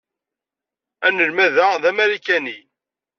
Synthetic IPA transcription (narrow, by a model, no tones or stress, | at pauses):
ænəlmæðæðæmæɾikæni